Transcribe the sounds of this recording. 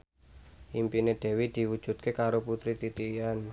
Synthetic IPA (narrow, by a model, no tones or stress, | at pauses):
ʔimpined̪̥ɛ̤wid̪̥i̤wud̥ʒ̥ṳt̪̚kekaɾoput̪ɾit̪it̪ijan